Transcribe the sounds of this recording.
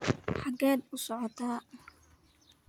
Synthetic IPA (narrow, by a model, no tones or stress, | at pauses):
ħɑɡɛːd̪ʊsɔʕɔt̪ʰaː